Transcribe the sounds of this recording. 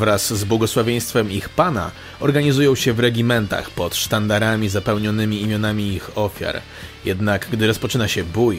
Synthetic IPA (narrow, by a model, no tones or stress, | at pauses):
vɾaszbwɔɡɔswavʲjej̃st̪fɛmixpana̰ | ɔɾɡaɲizujɔ̃w̃ɕɛvɾɛɡʲimɛnt̪a̰xpɔt̪ʂt̪and̪aɾamʲizapɛwɲɔnɘmʲiːmʲjɔnamʲiixɔfʲja̰ɾ | jɛd̪naɡɡd̪ɘɾɔspɔt͡ʂɘnaɕɛbuj